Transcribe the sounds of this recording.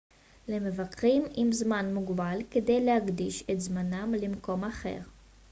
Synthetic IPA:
lemevakʁimimzmanmuɡbalked̪e̞jlehaɡdiʃet̪zmanamlimko̞maχe̞̰ʁ

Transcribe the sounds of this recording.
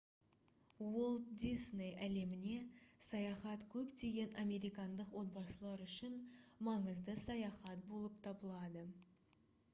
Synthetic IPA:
wo̞lˠt̪d̪isnejæle̞mɪne̞sɑjɑχɑt̪kʲʰɵpt̪e̞ɡʲe̞nɑmʲe̞ɾijkɑnd̪əqwo̞t̪̚bɑsəlˠɑɾʏʃɪnmɑɴəzd̪əsɑjɑχɑt̪̚bo̞lˠəpt̪ʰɑbəlˠɑd̪ə

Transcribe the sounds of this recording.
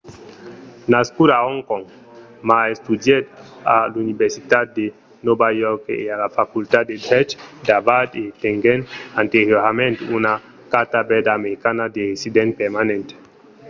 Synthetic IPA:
naskuɾaɔŋkɔŋ | maest̪ud̪jed̪alunibeɾsit̪at̪̚d̪e | nɔbajɔɾkealafakult̪at̪̚d̪ed̪ɾɛt͡ʃd̪abad̪et̪eŋɡenant̪eɾjoɾamẽnt̪una | kat̪abɛd̪aːmeɾikanad̪eɾesid̪ɛ̃npeɾmanɛ̃nt̪

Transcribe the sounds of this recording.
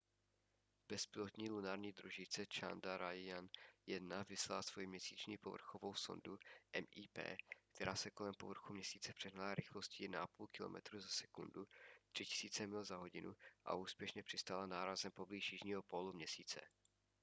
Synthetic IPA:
b̥ɛspɪlot̪ɲiːlunaːɾɲiːd̪ɾuʒɪt͡sɛt͡ʃa̰ndaɾajanjɛdnavɪslalasv̥ojimɲɛsiːt͡ʃɲiːpo̞vr̩xovo̞wso̞̰nduʔɛmʔiːpɛ̰ːkt̪ʰɛɾʔaːsɛko̞lɛmpo̞vr̩xumɲɛsiːt͡sɛpr̥ɛɦnalaɾɪxlo̞scɪnaʔapuːlkɪlo̞̰mɛ̰t̪ɾuːzasɛ̥kundut̪r̥ɪcɪ̥siːt͡sɛmɪlzaɦo̞ɟɪnuʔa̰ʔuːspjɛʃɲɛpr̝̥ɪst̪aːlanaːɾazɛmpo̞bliːʃjɪʒɲiːɦo̞polumɲɛsiːt͡sɛ̰

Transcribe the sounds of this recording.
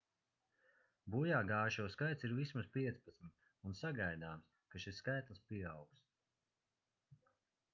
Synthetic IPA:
bujaːɡaːʃuːskajt̪siɾvismaspʲiɛt̪spat̪smit̪ | unsaɡajd̪aːms | kaʃisːkajt̪lˠspiɛawks

